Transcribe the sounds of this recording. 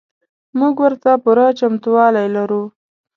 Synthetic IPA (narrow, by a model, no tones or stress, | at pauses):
muɡwəɾt̪apʊɾat͡ʃamt̪uwɑlajlaɾu